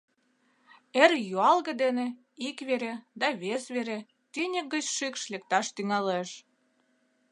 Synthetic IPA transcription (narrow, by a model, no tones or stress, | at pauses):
erjuɑlɣə̆d̪enĕ | ikβeɾed̪ɑβesβeɾe | t̪ynʲək̚ɡət͡ɕʃykʃlek̚t̪ɑʃt̪yŋɑleʃ